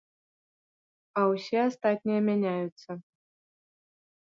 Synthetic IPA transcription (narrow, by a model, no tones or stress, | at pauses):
ausʲeast̪atʲnʲijəmʲenʲæjut̪sə